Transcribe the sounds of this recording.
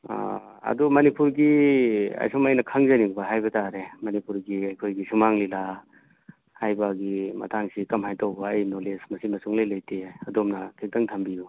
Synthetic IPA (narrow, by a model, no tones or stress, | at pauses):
ɐ̰dumɐnipuɾɡiɐ̰jsumɐjnɐkʰaŋzɐnibɐɦajbɐtaɾemɐnipuɾɡiɐjkʰojɡisumaŋlila | hajbaɡimɐ̰tʰaŋsikɐmhajtawbɐːjnolesmɐsinmɐsuŋlɐjlɐjtʰeɐdomnɐtʰek̚dɐŋtʰɐmbiju